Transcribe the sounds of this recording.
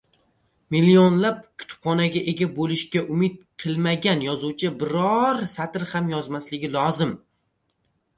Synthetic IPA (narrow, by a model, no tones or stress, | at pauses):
milːionlap̚kʲʰʊ̥t̪ʰʊ̥pχɒnaɡʲaʔe̞ɡʲabolɪʃkʲaʔʊmɪt̪̚qʰɨlˠmaɡʲanjɒzuwt͡ʃʰɪbɪɾɒɾsat̪ɪɾhamjɒzmaslɪɡʲɪlˠɒzɪm